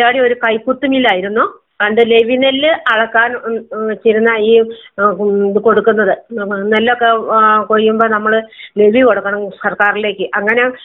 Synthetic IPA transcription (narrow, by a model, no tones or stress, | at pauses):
aːɽio̞ɾukɐjkːut̪ːumilːaːjiɾunːu | ɐnd̪ɨle̞ʋinelːɨɐɭɐkːaːnt͡ɕejɾunːɐiː | ðɨko̞ɽukːunːɐðɨnɐlːɐokːekoɻijːumbo̞ːnɐmːɐɭɨle̞ʋiko̞ɽukːɐɳɐmsɐrkaːrile̞ːkːɨʔɐŋːɐne̞